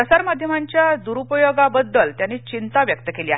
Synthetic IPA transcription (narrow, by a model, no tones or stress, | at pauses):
əsaɾmad̪ʱjəmaɲt͡ɕjad̪uɾupəjoɡabəd̪ːəlt̪janːiːt͡ɕint̪aʋjək̚t̪əkeliːa̰ɦe